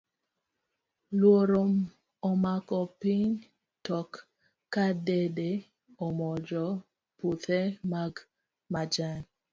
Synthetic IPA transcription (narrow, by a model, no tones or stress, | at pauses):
lwoɾom | ɔmakɔpiɲ | tɔkː | adede | ɔmɔd͡ʒɔ | put̪ɛmaɡ | mad͡ʒan